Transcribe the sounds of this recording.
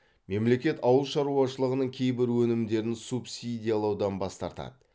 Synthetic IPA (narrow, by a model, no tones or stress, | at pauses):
me̞mle̞kʲe̞t̪ɑwəlˠʃɑɾuɑʃəlˠəʁənəɴkʲʰe̞jbɪɾwɵnɪmd̪e̞ɾɪnsupsʲid̪ʲijalˠɑwd̪ɑnbɑst̪ɑɾt̪ɑ̰d̪ə